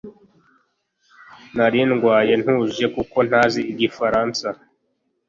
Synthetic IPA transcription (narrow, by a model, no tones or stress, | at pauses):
naɾinɡwaːje̞n̥huːʒe̞kuko̞n̥haːziiɡifaɾaːnsa